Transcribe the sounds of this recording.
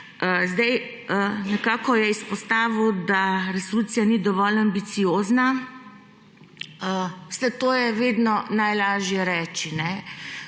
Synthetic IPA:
əzd̪ɛj | ənɛkaːkɔjɛispɔst̪aːʋuwd̪aɾɛsoluːt̪sijanid̪ɔʋɔlambit̪sioːzna | əsɛt̪oːjɛʋeːd̪nɔnajlaːʒjɛɾɛːt͡ʃinɛ

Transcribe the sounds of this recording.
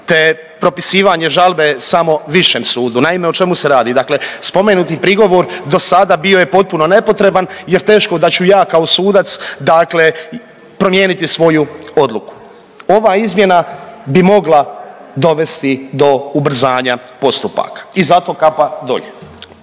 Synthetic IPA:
t̪e | pɾo̞pisiːʋaɲe̞ʒalˠbe̞samo̞ʋiʃeːmsuːd̪unaimeot͡ʃe̞museɾaːd̪id̪akle̞spo̞menut̪ipɾiɡo̞ʋo̞ɾd̪o̞sad̪abioje̞po̞t̪̚puno̞ne̞po̞t̪ɾe̞banjeɾt̪e̞ːʃko̞d̪at͡ɕujaːkao̞suːd̪at̪sd̪akle | pɾo̞mje̞ːnit̪isʋo̞juo̞d̪lˠuku̥ | o̞ʋaːizmje̞nabimo̞ɡlad̪o̞ʋe̞st̪id̪o̞ubɾ̩zaːɲa | po̞st̪upa̰ːkḁizat̪o̞ːkapad̪o̞̰ʎḛ

